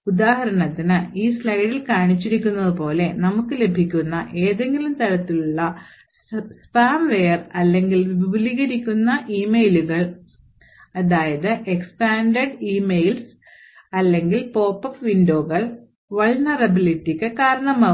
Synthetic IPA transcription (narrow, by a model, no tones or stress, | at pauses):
ud̪aːɦɐɾɐɳɐt̪ːinɨiːslɐjɐɽilkaːɳit͡ɕːiɾikʲːunːɐðɨpo̞ːle̞nɐmukːɨle̞bʱikʲːunːɐʔe̞ːðe̞ŋɡilumt̪ɐɾɐt̪ːiluɭːɐ | spaːmʋejɐrɐlːe̞ŋɡilʋiʋibɐliɣɐɾikʲːunːɐʔiːmejluɣɐɭ | ɐðaːjɐðɨʔekspaːɳɖɐɖiːmejls | ɐlːe̞ŋɡilpo̞ːpːɐfʋinɖo̞ːɣɐɭ | ʋɐɭnɐrɐbilitːikʲːɨkaːɾɐɳɐmɐ